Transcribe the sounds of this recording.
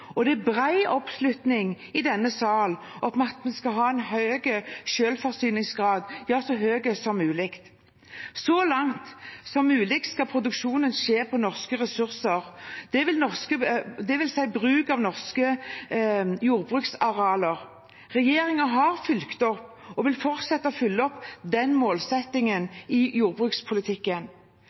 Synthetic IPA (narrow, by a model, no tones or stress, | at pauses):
ɔd̪ɛæbʁæɪʔɔpslʉt̪nɪŋ | ɪd̪ɛnːəsɑːl | ɔtmɛɑt̪mɛnskɑɦɑːɛnɦœːɡəʃøːlfɔʁsyːnɪŋsɡʁɑːd̪jɑːsɔɦøːɡəsɔmːʉːlɪkt̪ | sɔlɑŋt̪sɔmːʉːlɪk̪̚skɑpʰɾʊd̪ʉkʃuːnənʃeːpʰɔnɔʁskəʁɛsʉʁsəʁd̪̥ɛʋɪlnɔʁskəd̪ɛʋɪlsæɪbɾʉːkɑʋnɔʁskə | juːʁbʁʉːksɑɾɛɑːləʁ | ʁɛjeːɾɪŋəɦɑʁfʏlkt̪ɔpːɔʋɪlfɔɾt̪sɛt̪ːəɔfʏlːəɔpːd̪ɛnmoːlsɛt̪ːɪŋənɪjuːʁbʁʉːkspʰʊlɪt̪ʰɪkːən